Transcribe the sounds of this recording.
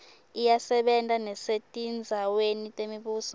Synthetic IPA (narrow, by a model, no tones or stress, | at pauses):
ijasɛɓɛntʼanɛsetʼind͡zʱawenitʼemiɓuːsɔ